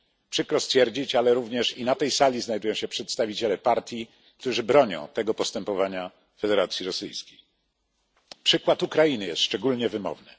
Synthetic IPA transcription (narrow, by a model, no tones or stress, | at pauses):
pʂɘkɾɔst̪fʲjɛɾd͡ʑit͡ɕalɛɾuvɲɛʂinat̪ɛjsalʲiznajd̪ujɔ̃w̃ɕɛpʂɛt̪st̪avʲit͡ɕɛlɛpaɾt̪ʲji | k̚t̪uʐɘbɾɔɲɔ̰̃w̃t̪ɛɡɔpɔst̪ɛmpɔvaɲa | fɛd̪ɛɾat̪sʲjiɾɔsɘ̰jskʲej | pʂɘkwat̪ukɾajinɘjɛ̰st̪ʂt͡ʂɛɡulɲɛvɘmɔ̰vnɘ̰